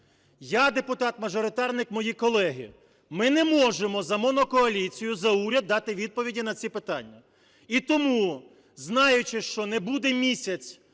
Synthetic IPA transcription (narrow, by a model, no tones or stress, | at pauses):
jad̪epʊt̪ɑt̪mɐʒɔɾɪt̪ɑrnɪkmɔjikɔlˠɛɦɪ̰ | mɪnɛmɔʒemɔzɐmɔnɔkɔɐlʲit͡sʲijʊzɐuɾʲɐd̪ːɑt̪ɪʋʲid̪̚pɔʋʲidʲinɐt͡sʲipɪt̪ɑnʲːɐ | it̪ɔmu | znɑjʊt͡ʃɪʃt͡ʃɔnɛbud̪ɛmʲisʲɐt͡sʲ